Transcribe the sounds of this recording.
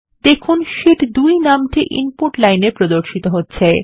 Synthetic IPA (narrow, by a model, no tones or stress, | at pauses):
d̪̥ekʰunʃiʈd̪ujnamʈiʔḭmpuɾʈlajnepɾod̪oɾʃit̪oɦotːɕʰe